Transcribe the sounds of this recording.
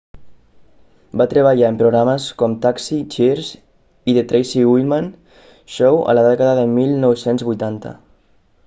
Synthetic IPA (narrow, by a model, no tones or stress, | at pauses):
bat̪ɾəβəʎaəmpɾoɣɾaməskɔmt̪aksit͡ʃeɾz | iðet̪ɾejsiwilman | ʃowə̰ləðɛkəðəðəmilˠnɔwsenzβujt̪ant̪ə̰